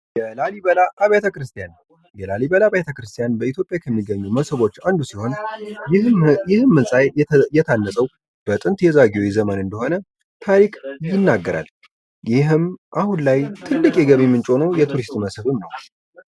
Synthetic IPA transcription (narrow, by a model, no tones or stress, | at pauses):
jɛlaliβəlaːβajat̪ʰəkɾɨst̪ʰijan | jɛlaliβəlaβajt̪ʰəkɾɨst̪ʰijanbəit̪jo̞pʼjakʰəmːiɡəɲːuməsɨβo̞t͡ʃːand̪usiho̞n | ɪhɨmːɨnsʼajjɛt̪ʰanːəsʼəw | b̥ət̪ʼɨnt̪jɛzaɡio̞jzəmənɨnd̪əho̞nə | t̪ʰaɾikʼjɪnːaɡːəɾa̰l | jɪɦɨmʔahunlajt̪ʰɨlːɨkʼjɛɡəβjɛmːɨnt͡ʃʼo̞nəwjɛt̪ʰuɾist̪məsɨβɨmːəw